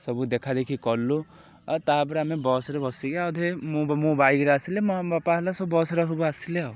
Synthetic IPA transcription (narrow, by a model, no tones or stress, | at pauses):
sɔbud̪ekʰad̪ekʰikɔlːu | at̪abɔɾamebɔsɾebɔsiɡeawd̪ʱemmũbajɡɾasilemabapaɦlasɔbɔsɾɔɦubɔasileaw